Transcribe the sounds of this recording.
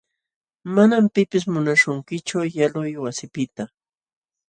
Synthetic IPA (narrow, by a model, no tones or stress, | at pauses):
manampɪpɪs̬mʊnaʃʊŋkɪt͡ʃʊjalʊjwasɪpɪt̪a